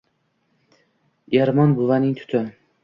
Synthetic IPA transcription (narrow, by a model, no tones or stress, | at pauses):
eɾmɒnbʊvanɪŋt̪ʰʊ̥t̪ʰɪ